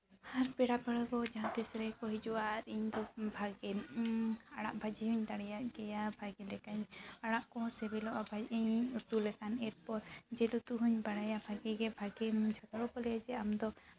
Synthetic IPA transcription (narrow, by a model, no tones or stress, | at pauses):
haɾpɛɽabəɽəɡɔd͡ʒãt̪isɾɛkɔɦid͡ʒuaɾiɲd̪ɔbʱaɡɛ | aɽaʔbʱad͡ʒiiɲt̪aɽɛjaʔɡɛjabʱaɡɛlɛkaɲaɽaʔkɔsɛbɛlɔʔabʱad͡ʒʔiɲut̪ulɛkanɛɾ̚pɔɾd͡ʒɛlut̪uɦuɲbaɽajabʱaɡɛɡɛbʱaɡɛmt͡ʃʰɔt̪ɔɽɔkɔlɛjad͡ʒɛamd̪ɔ